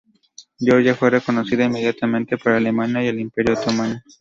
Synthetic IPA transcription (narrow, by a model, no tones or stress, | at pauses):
bjoɾʝafwe̞re̞ko̞no̞siðaimːe̞ð̞jat̪amẽnt̪e̞paɾaːle̞manjaje̞limpe̞ɾjoot̪omano